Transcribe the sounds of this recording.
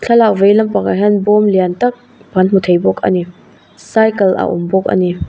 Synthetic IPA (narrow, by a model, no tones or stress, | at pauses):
t͡ɬʰɐlavejlɐmpakaɦanbɔmliantɐk̚ | b̥ʱanmutʰejbɔk̚ʰɐ̰ni | sajkɐlʔa̰ʔṵmbɔk̚ɐ̰ni